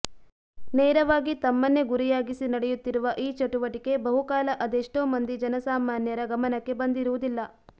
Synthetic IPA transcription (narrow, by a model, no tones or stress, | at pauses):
neːɾɐʋaːɡit̪ɐmːɐnːe̞ɡuɾijaːɡisinɐɽejut̪ːiɾuʋɐʔiːt͡ʃɐʈuʋɐʈike̞bɐɦukaːlɐʔɐd̪eʂʈoːmɐnd̪id͡ʒɐnɐsaːmaːnjɐɾɐɡɐmɐnɐkːe̞bɐnd̪iɾuʋud̪ilːɐ